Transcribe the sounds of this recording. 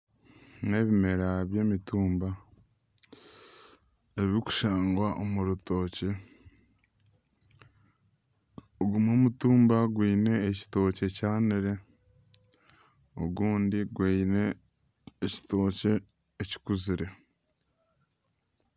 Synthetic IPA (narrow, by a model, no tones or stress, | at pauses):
ne̞βime̞ɾaβje̞ːmituːmba | eβiiku̥ʃaːŋɡwaʔomuɾuto̞ːce | oɡumoːmutuːmbaɡwiːne̞ːci̥to̞ːce̞caːniɾe̞ | o̞ɡuːndiɡwiːne̞ː | ci̥to̞ːce̞ː | ci̥kuziɾe̞